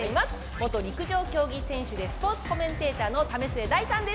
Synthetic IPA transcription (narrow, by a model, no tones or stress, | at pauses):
eimasɨ̥ | mo̞t̪o̞ɾʲikɯ̟ʑo̞ːkʲo̞ːɡʲisẽ̞ɰ̃ɕɨd̪e̞sɨ̥po̞ːt͡sɨ̥ko̞mẽ̞nt̪e̞ːt̪aːno̞t̪ame̞sɨe̞d̪aisãnd̪e